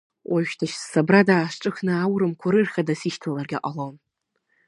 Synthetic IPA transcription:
wʔaʃᶣtʰaʃssabradaːʂʈ͡ʂʼɨχnɨawɾɨmkʷʰʊɾɨrχadasiʃtʰalarɡʲaqʼalown

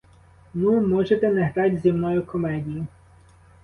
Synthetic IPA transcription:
mɪmɔʒet̪ɛneɦɾɑtʲzʲimnɔjʊkɔmɛdʲijʊ

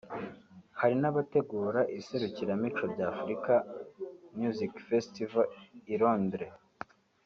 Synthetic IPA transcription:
haɾinaβate̞ɡuːɾaʔise̞ɾuciɾamit͡ʃobɟaːfuɾika | mjuzikfestivaiɾoːndɾe

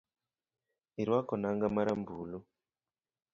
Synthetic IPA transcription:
iɾwakɔnaŋɡamaɾambuːlu

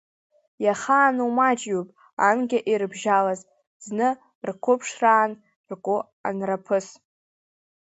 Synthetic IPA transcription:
jaχaːnwmad͡ʒʼjupʼ | anɡʲaʔirɨbʒalaz | znɨ | rkʷʰʊpʰʂraːn | rkʼʊ | a̰nrapʰɨs

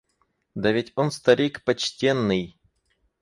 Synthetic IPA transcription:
d̪ɐvʲetʲonst̪ɐɾʲikpɐt͡ɕtʲenːɨj

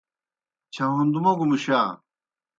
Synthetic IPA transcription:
t͡ɕʰɐɦund̪umɐɡumuɕaː

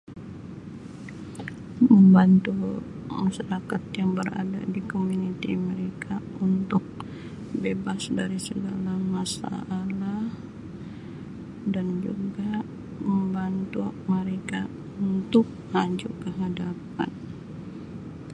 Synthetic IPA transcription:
məmbant̪u | maʃaɾakat̪jaŋbəra̰da̰dikomunit̪ḭməɾekaunt̪ʊk̚ | bebasdaɾisəɡalamasa̰ːlah | dand͡ʒṵɡa | məmbant̪uməɾeka | unt̪ʊk̚had͡ʒukəɦadap̚a̰n

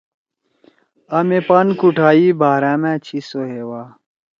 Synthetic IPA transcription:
ɐmepankuʈʰaːiːbaːɾaːmæ̃ːt͡ɕʰisoɦewaː

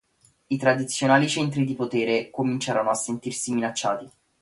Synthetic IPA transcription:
it̪ɾad̪it̪sːjonaːlit͡ʃɛnt̪ɾid̪ipot̪eːɾekomint͡ʃaːɾonoasːent̪irsiminat͡ʃːaːt̪i

